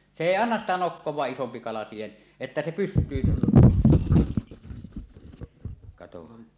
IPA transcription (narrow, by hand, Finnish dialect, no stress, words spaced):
se eˑi ɑnːɑs sitæ nokːowˑɑːʔ ʔisompi kɑlɑ siːhen etːæ se pystˑyːn kɑtohɑn